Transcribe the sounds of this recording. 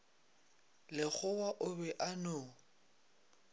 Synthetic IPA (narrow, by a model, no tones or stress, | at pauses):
lɪɣʊwaʔʊbɛʔanʊː